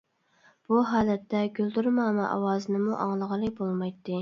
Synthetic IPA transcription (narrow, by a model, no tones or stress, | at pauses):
b̥uɦɑːlɛt̪ːɛɡʲøld̪yɾmɑːmɛʔɑ̰wɑːzɨnɨmuʔɑŋlˠəʁəlˠɨkbolˠmɑjt̪ːɨ